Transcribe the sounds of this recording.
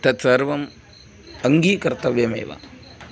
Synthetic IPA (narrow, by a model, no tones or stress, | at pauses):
t̪ɐt̪sɐɾʋɐm | ɐŋɡiːkɐɾt̪ɐʋjɐmḛːʋa̰